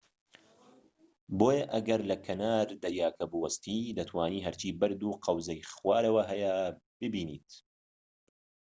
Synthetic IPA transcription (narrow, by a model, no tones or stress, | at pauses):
boːjɐʔɐɡɐɾlɐkʰɐnaːɾd̪ɐɾjaːkɐbuwɐst̪iːd̪ɐt̪ʰwaːniːɦɐɾt͡ʃiːbɐɾd̪uːqʰɐwzɐjxwaːɾɐwɐɦɐjɐ | b̥ɨbiːnḭːt̪